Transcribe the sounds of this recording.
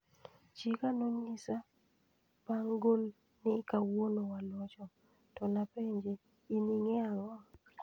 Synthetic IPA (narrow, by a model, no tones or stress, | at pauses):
t͡ʃikanoɲisa | paŋɡol | nɪkawonowalwɔt͡ʃɔ | tɔnapeɲd͡ʒe | iniŋeaŋɔ